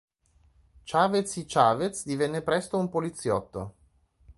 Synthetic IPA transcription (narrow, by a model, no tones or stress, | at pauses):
t͡ʃaːvet̪sit͡ʃaːvet̪sd̪ivɛnːepɾɛst̪oumpolit̪sːjɔ̰t̪ːo̰